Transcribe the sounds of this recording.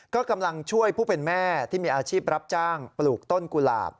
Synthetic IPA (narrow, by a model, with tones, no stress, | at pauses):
kɔː˥˩ka˧mla˧ŋt͡ɕʰu˥˩əjpʰuː˥˩pe˧nmɛː˥˩t̪ʰiː˥˩miː˧ʔaː˧t͡ɕʰiː˥˩p̚ɾa˦˥p̚t͡ɕaː˥˩ŋpluː˨˩k̚t̪o˥˩nku˧la̰ː˨˩p̚